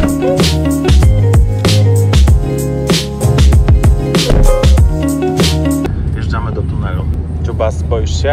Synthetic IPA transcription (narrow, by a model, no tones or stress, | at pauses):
vjɛʐamɘd̪ɔt̪unɛlu | t̪ubaspɔjʂt͡ɕɛ